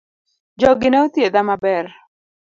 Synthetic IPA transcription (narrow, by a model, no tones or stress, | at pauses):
d͡ʒɔɡɪnɛut̪jed̪amabɛr